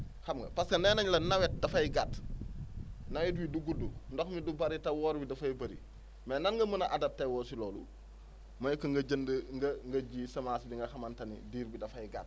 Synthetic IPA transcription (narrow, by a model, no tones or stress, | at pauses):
xamɡɐ̰paskɐneːnaɲlɐnawet̚dɐfɐjiɡat | nɐwɛtwiduɡudundoxmidubaɾitɐwoːɾbidɐfajibɐɾḭ | mɛnɐnŋɡɐmənaʔadɐp̚tewoːsiloːlṵ | mɐjkːɐŋɡɐɟɐndŋɡɐŋɡɐɟiːsɐmaːsbiŋɡɐxɐmantɐnḭdiːɾbidɐfɐjɡa̰t̚